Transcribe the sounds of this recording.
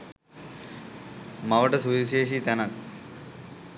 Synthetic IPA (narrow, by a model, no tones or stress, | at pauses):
mɐʋəʈɐsuʋiʃeːʃit̪ɛnɐk